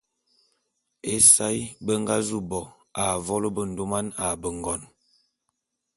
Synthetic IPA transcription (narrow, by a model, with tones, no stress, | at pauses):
e˦sa˦jbə˦ŋ˦ɡa˦zu˦bɔ˨ | a˨vɔ˦lə˦bə˦˨n̩˨do˦ma˦na˨bə˨ŋ˨ɡɔ˨n